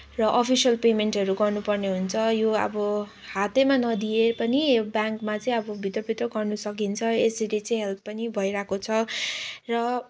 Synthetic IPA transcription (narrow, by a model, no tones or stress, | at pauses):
rʌʔʌpʰisʌlpemeɳʈʌɾuɡʌrnupʌrneɦunt͡sʰʌjoʌ̰bʌ | hat̪emanʌd̪ijepʌnibjãŋkmat͡sʌĩʌbʌbʱit̪rʌbʱit̪rʌɡʌrnusʌkint͡sʰʌesʌɾet͡sʌĩɦelpːʌnibʱʌiɾakot͡sʰʌrʌ